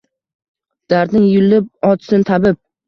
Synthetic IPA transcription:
d̪̥aɾd̪nɪŋjʊlːɪp̚ɒt̪ʰsɪnt̪ʰabɪp̚

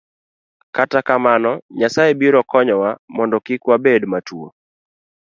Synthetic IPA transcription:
katakamanɔɲasaebiɾɔkɔɲɔwamɔndɔkikwabedmatʰuo

